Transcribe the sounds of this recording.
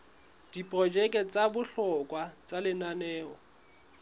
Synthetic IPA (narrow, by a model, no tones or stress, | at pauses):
d̥ipʼrɔd͡ʒɛkʼɛt͡sʼabʊɬɔkʼwat͡sʼalɪnanɛːɔ